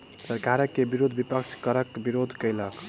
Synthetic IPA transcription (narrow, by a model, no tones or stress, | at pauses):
səɾkaɾəkːebiɾod̪ʱbipəkt͡ʃʰkəɾəkbiɾod̪ʱkəjlək